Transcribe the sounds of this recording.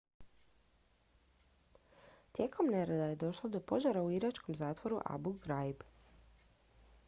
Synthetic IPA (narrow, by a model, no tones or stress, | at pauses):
t̪je̞ːkʰo̞mneɾed̪aje̞d̪o̞ʃlˠod̪o̞po̞ʒaɾauiɾat͡ʃko̞mzaːt̪ʋo̞ɾuʔa̰buɡɾajb